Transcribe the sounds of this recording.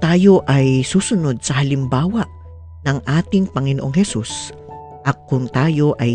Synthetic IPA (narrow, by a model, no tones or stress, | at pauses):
t̪aːjo̞ʔɐjsuːsʊno̞d̪̚sɐhɐlɪmbaːwɐʔ | nɐŋʔaːt̪ɪŋpɐŋɪnoʔoŋhɛsus | ʔɐk̚kːʊŋt̪aːjo̞ʔɐj